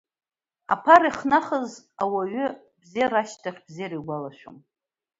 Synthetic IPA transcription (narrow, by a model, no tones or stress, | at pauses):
a̰pʰaɾiχnaχəz | awaɥʏ | bzeɾaʃtʰaχʲb̥zeɾiɡʷalaʃʷᶣom